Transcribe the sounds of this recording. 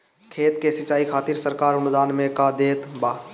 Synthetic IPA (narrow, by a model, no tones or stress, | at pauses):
kʰeːt̪kesɪt͡ʃaːikʰaːt̪iːɾsəɾkaːɾʊnʊd̪aːnmẽkad̪eːt̪baː